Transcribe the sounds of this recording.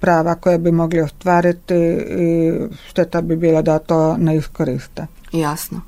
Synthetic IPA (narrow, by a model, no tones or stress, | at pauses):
pɾaːʋakojabimoɡliost̪ʋaːɾit̪iiʃt̪et̪abibiːlˠad̪at̪oːneiskoɾiːst̪e | jasno